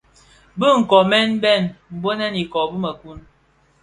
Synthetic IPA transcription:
bə˦ŋ̩˨kɔ˨mɛ˦n˦bɛ˦˨nm̩˨bo˦nɛ˦ni˨kɔ˨bə˦mə˨ku˦n

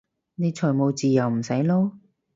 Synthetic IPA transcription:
ne˨˧jt͡ʃʰœː˨˩jmo˨˧wt͡siː˨jɐ˨˩wm̩˨˩sɐ˨˥jlɔː˥

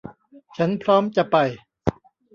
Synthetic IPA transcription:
t͡ɕʰa˦˥npʰɾɔː˦˥mt͡ɕa˨˩pa˨˩j

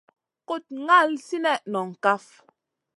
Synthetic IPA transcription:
ko˦˨t̚ŋa˦˨lsi˦nɛ˦˨ʔnɔ˨ŋ̩˨ka˦f

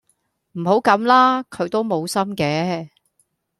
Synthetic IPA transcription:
m̩˨˩ho˨˥wkɐ˨˥mlaː˥kʰɵ˨˧ɥt̪o˥wmo˨˧wsɐ˥mkɛː˨˧

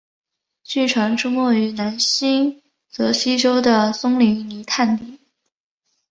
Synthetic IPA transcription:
t͡ɕy˥˩ʈ͡ʂʰwa˧˥ŋʈ͡ʂu˥mwɔ˥˩y˧˥na˧˥nɕi˥ŋ | t͡sɤ˧˥ɕi˥ʈ͡ʂo˥ʊd̪ə˨sʊ˥ŋli˧˥ni˧˥t̪ʰa˥˩nt̪i˨˩˦

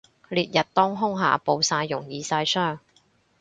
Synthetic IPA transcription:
liː˨t̚jɐ˨t̚t̪ɔː˥ŋɦʊ˥ŋɦa̰ː˨˩po˨˧wsaː˧jːʊ˨˩ŋjiː˨˧saː˧jsœː˥˩ŋ

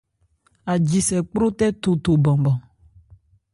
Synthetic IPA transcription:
a˨d͡ʒi˨sɛ˨k͡pɾo˦t̪ɛ˦t̪o˨t̪o˨bɔ̃˨bɔ̃˨

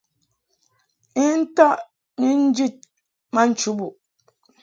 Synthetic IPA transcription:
i˦n̩˦ta˦ʔ | ɲi˦n̩˦d͡ʒi˦˨t̚ | ma˦n̩˦t͡ʃu˨˦bu˨

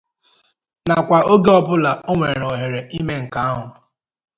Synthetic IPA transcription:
na˨kʷa˨o˦ɡe˦ɔ˦bʊ˦la˨o˦ŋʷe˨ɾo˨ɦe˨ɾe˨i˦me˦ŋ̩˨ka˦a˦ɦʊ˨

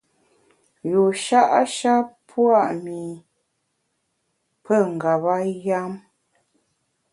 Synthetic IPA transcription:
ju˨ʃa˦ʔa˦ʃa˦pʰwa˦˨ʔmi˨ | pʰə˦˨ŋ̩˨ɡa˨βa˦ja˦m

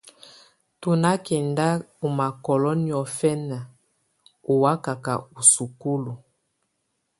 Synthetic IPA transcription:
tu˨na˦kɛ˨nda˦u˨ma˨kɔ˨lɔ˦ni˦˨ɔ˨fɛ˦na˨ | u˨wa˦ka˨ka̰˨u˨su˨ku˦lu˨

